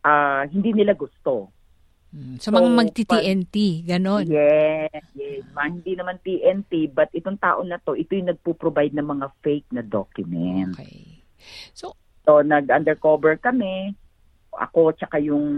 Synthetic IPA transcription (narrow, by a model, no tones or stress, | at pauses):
ʔaːɦɪnd̪inɪlaɡʊst̪o̞ | sɐmɐŋamɐɡ̚t̪it̪iʔɛnt̪iɡɐno̞njɛsjɛsmɐhɪnd̪inɐmant̪iʔɛnt̪ibɐt̪̚ʔɪt̪oŋt̪a̰ːʔo̞nɐt̪o̞ʔɪt̪ojʊŋnɐɡ̚pupɾobajd̪̚nɐŋmɐŋafɛjk̚nɐd̪okjʊmɛnt̪k | so | tonɐɡʔɐnd̪ɛɹkoːbɛɹkɐmɛ | ʔɐ̰ko̞t͡ʃɐkajʊŋ